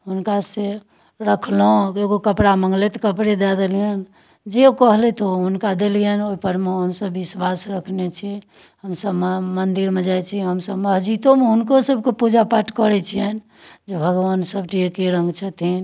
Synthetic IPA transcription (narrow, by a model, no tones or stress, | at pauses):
ɦunkase | ɾəkʰloeɡokəpɽaməŋɡlet̪ɔkəpɽed̪ɛd̪elijən | d͡ʒeokəɦlɛt̪oɦunkad̪elijənoipəɾmeɦəmsəbːiswasɾəkʰnet͡ʃʰi | həmsəbmmənd̪iɾmed͡ʒajt͡ʃʰiɦəmsəbməɦd͡ʒit̪omeɦunkosəbʱkepud͡ʒapaʈkəɾɛt͡ʃʰijən | d͡ʒebʱəɡʋansəbʈiekeɾə̃ŋɡt͡ʃʰət̪ʰin